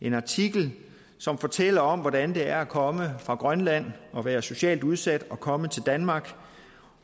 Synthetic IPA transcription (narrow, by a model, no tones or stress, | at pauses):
ʔe̝nɑ̈t͡sʰiɡ̥l̩ | sɒ̽mfɒ̽ːt͡sʰel̰ɐɒ̽m̰ʋɒd̥ænd̥e̝æɐækʰɒ̽məfʁɑ̈ɡ̥ʁɶnlæn̰ɒ̽ʋæːɐso̝ɕɛ̰ːlduð̞ˠsæd̥ɒ̽kʰɒ̽mət͡sʰe̝ld̥ænmɑ̈ːɡ̥